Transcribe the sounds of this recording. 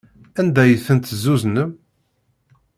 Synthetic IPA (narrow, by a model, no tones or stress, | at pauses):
ænd̪æjəθənt̪zːuznəm